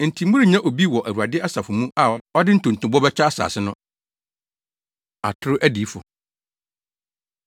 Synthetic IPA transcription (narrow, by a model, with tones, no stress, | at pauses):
n̩˨tʰĩ˨m˦mũ˦ɾi˦˨ɲã˦ʔo˨bi˦wɔ˨ʔæ˨u˨a˨dɪ˦a˦sa˨fʊ˨mũ˦a˨ɔ˦dɪ˦n̩˨tʰʊ̃˨n̩˨tʰʊ̃˨bɔ˦bɛ˦t͡ɕᶣa˦a˦sa̰ː˨sɪ˦nʊ̃˦ | a̰˨tʰʊ˦ɾʊ˦ʔæ˦diː˨˦fʊ̰˨